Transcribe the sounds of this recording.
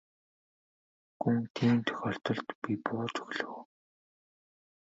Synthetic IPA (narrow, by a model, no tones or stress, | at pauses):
ɡuŋt̪ʰiːmt̪ʰœ̥xʲɔːɬt̪ɞ̆ɮt̪pipʊːt͡ɕɵ̥ɣɮɵ̆w